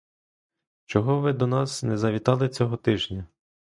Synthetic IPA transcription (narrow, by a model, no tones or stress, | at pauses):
t͡ʃɔɦɔʋɪd̪ɔnɑsnɛzɐʋʲit̪ɑlˠɪt͡sʲɔɦɔt̪ɪʒnʲɐ